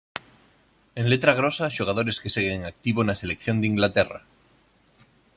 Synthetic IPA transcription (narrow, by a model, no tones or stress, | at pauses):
enlet̪ɾaɣ̞ɾosaʃuɣ̞aðo̞ɾe̞skeseɣeŋak̚t̪iβonaselekθjo̞nd̪iŋɡlat̪era̰